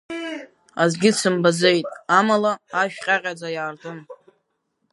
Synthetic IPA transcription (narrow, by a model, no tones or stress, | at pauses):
azɡʲɪsɨmbaze̞jtʼamalaaʃᶣqʲʼaqʲʼad͡zajaːrdɨm